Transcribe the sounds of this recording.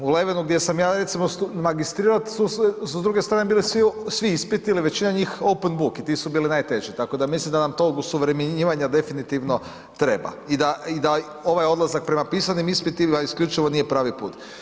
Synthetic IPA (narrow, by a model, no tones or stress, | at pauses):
ule̞ʋenuɡd̪je̞samjaːɾe̞t̪simost̪umaɡist̪ɾiːɾat̪sussud̪ɾuɡest̪ɾaːnebiːlisʋisʋiispit̪iliʋe̞t͡ɕinaɲiːxowpenbukit̪isubiːlinaːjt̪e̞ʒit̪ako̞d̪amislimd̪anamt̪oɡusuʋɾemeɲɲiːʋaɲad̪efinit̪iʋno̞ | t̪ɾe̞ba̰ | id̪aid̪a | o̞ʋajo̞d̪lazak̚pɾe̞mapiːsanimispit̪iaiskʎʲut͡ʃiʋo̞nijepɾaːʋipuːt̪